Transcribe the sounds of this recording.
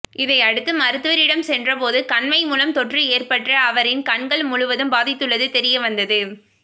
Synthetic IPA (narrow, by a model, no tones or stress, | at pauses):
ʔɪðɐɪɐɽɯt̪ːɯmɐɾɯt̪ːɯʋɐɾɪɽɐmsɛndrɐpoːðɯkɐɳmɐɪmuːlɐmt̪ɔʈrɯeːrpɐʈrɐːʋɐɾɪnkɐɳɡɐɭmʊɻʊʋɐðɯmbaːðɪt̪ːɯɭːɐðɯt̪ɛɾɪjɐʋɐnd̪ɐðɯ